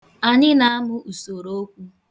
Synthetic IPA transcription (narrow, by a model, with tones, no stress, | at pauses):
a˨ɲɪ˦na˦a˦mʊ˦u˨so˨ɾo˦o˦kʷu˦